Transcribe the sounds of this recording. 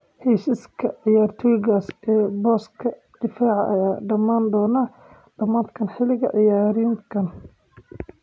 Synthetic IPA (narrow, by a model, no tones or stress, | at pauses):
hɛːʃiskʰɐʕɪjaːrt̪ʰɔjɪɣaːsɛːbɔːskʰɐ | d̪̥ɪfaːʕɑʔɐ̰jaːɖɐmaːnd̪ɔːnaː | ɖɐmaːt̪kʰɐnħɪlɪɣɐ̰ʕɪjaːɾiːnkʰɐn